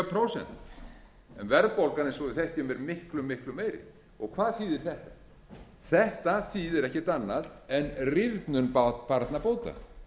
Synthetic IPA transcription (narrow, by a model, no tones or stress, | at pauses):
pʰɾowsɛ̰nt̪ | ɛnvɛɾðpowlkaɾnɪnsɔðʏθeht̪jʏmɛɾmɪhklʏmːɪhklʏmːeːjɾɪ̰ | ɔ̰ɣkʰvaːðθiðɪɾ̥θɛht̪ḁ | θɛht̪aθiːðɛɾɛhcɪt̪anːaðɛnrɪvt̪nʏnppaɾt̪napoːwt̪a̰